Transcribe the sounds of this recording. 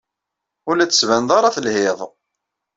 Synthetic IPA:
ʊlæt͡sːə̥svænðˤɑɾˤɑθəlhɪðˤ

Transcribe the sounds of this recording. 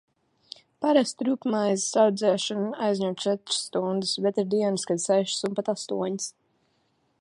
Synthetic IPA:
paɾast̪ɾupmajzsawd̪zɛːʃɔnajzɲʲuwt̪t͡ʃɛt̪ɾ̥sːt̪und̪ɨsbɛt̪iɾd̪iɛnɨskad̪sɛʃsumpat̪ast̪uɔɲis

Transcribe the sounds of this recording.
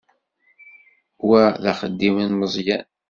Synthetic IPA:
wæðæχəd̪ːimənməzˤjæn

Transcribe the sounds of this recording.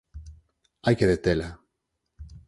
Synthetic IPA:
ajkeðet̪ela

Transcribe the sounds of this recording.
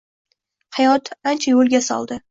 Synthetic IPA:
hajɒt̪ant͡ʃʰajolˠɡʲasɒ̰lˠd̪ɪ

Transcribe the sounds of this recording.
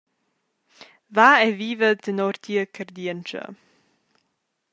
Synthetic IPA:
vaɛviːvəd̪ənɔɾt̪ʰiəkʰərd̪iɛənt͡ʃə̰

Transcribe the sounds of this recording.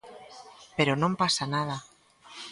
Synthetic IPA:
peɾonõmpasanaða

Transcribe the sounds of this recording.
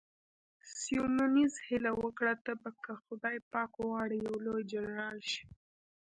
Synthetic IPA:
siununizhɪlawəkɽat̪əbakʰəxʊd̪ɑjpɑkowɑɽijawlojd͡ʒanɾɑlʃi̥

